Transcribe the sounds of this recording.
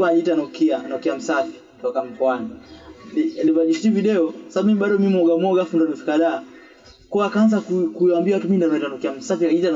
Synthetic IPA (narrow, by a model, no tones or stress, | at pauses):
vaitanɔkianɔkiam̩safi̥ | tɔkam̩kɔanilialivaʄiʃtiviɗɛɔsaaɓumimiɓaɗɔmiimwɔɡamɔɡafundaɗɔfi̥kaɗaː | kuaakaanzakukuambiawatumindavaitanɔkiam̩safiaita